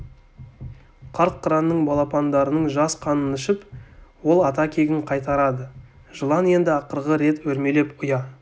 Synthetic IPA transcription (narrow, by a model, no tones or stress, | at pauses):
qʰɑɾt̪̚qʰəɾɑnːəɴbɑlˠɑpɑnd̪ɑɾənəɴʒɑsqʰɑnənɪʃɪpwo̞lˠɑt̪ɑkʲʰe̞ɡʲɪɴqʰɑjt̪ɑɾɑd̪ə | ʒəlˠɑne̞nd̪ɪɑqəɾʁəɾe̞t̪wɵɾme̞le̞pʊjɑ